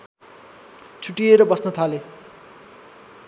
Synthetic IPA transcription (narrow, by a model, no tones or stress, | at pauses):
t͡sʰuʈːieɾʌbʌsnʌt̪ʰale